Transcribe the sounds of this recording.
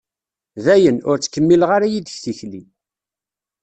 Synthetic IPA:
ðæjənʊɾt͡sːə̥kːəmːilʁaɾajid̪əçθiçli

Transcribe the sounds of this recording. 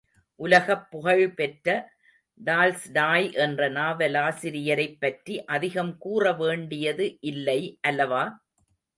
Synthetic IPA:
ʔʊlɐɣɐpːʊɣɐɻpɛʈɾɐ | ɖaːlsɖaːjʔɛndrɐnaːʋɐlaːsɪɾɪjɐɾɐɪpːɐʈriʔɐðɪɣɐmkuːrɐʋeːɳɖɪjɐðɯʔɪlːɐɪʔɐlːɐʋaː

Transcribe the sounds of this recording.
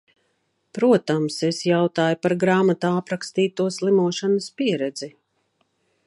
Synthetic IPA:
pɾuɔt̪amsesjawt̪aːjupaɾɡɾaːmat̪aːapɾakst̪iːt̪uɔslˠimuɔʃanaspiɛɾɛd̪z̥i

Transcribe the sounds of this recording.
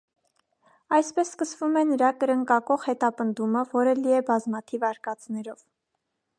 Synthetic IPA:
ɑjspɛsːkəsvumɛnəɾɑkəɾəŋkɑkɔʁhɛt̪ɑpənd̪uməvɔɾəliɛbɑzmɑt̪ʰivɑɾkɑt͡snɛɾɔv

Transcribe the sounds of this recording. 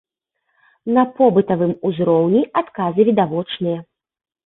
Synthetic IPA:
nɐpɔbɨt̪ɐvɨmuzɾɔwnʲiat̪kazɨvʲid̪avɔt͡ʂnɨjɐ

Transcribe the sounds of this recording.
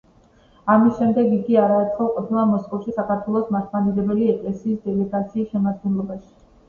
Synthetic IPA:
amisʃɛmd̪ɛɡiɡiaɾaːt̪sʰχɔlˠqʼɔpʰnˠamɔskʼɔfʃisakaɾt̪ʰwɛlˠɔsmat̪ʰmad̪iɾɛbɛliɛkʼlɛsiːsd̪ɛlɛɡat̪sʰiːsʃɛmad̪̚ɡɛnlˠɔbaʃi̥

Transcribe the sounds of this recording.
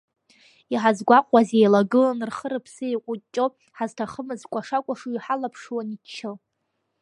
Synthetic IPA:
iħazɡʷaqʷʼazejlaɡɨlanrχəɾɨpʰsɨeqʷʼʊt͡ʃʼo | ħaztʰaχəmɨzkʷaʂakʷʼaʂuiħalapʰʂwanikʲʰʃʰɨl

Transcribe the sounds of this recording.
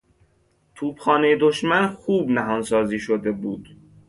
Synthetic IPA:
t̪ʰuːbxɒːnejed̪oʃmænxuːbnæɦɒːnsɒːziːʃod̪e̞buːd̪̥

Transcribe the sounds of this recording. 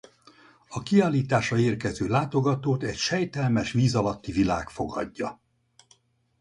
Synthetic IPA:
ɒkiaːliːt̪aːʃɒeːrkɛzøːlaːt̪o̞ɡɒt̪oːt̪ɛcʃɛjt̪ɛlmɛʃʋiːzɒlɒt̪ːivila̰ːkfo̞ɡɒ̰ɟːɒ̰

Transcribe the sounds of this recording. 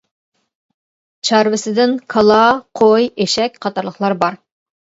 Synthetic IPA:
t͡ʃʰɑɾvɪsɪd̪ɪnkʰɑlˠɑqʰojeʃɛk̚ʲqʰɑt̪ɑɾlˠəχlˠɑɾbɑɾ

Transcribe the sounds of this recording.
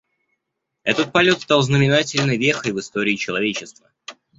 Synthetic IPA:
ɛt̪ət̪̚pɐlʲo̞t̪st̪alˠznəmʲɪnatʲɪlʲnɨjvʲexəjvɨst̪o̞ɾʲɪːt͡ɕɪlˠɐvʲet͡ɕɪst̪və

